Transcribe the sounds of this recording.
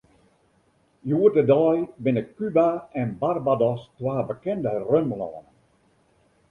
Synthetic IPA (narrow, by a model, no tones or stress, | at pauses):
juərdədɔjbɪnəkkːybaɛnbarbadɔstwaːbəkɛndərømlɔ̰ːn